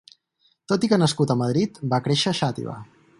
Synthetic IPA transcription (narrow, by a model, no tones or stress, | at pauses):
t̪ot̪ikənəskut̪əməð̞ɾit̪bakɾeʃəːʃat̪ḭβa̰